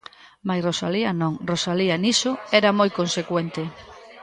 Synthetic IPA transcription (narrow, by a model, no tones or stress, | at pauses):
majrosaliɐnõŋrosalianisʊɛɾamojkonsekwent̪e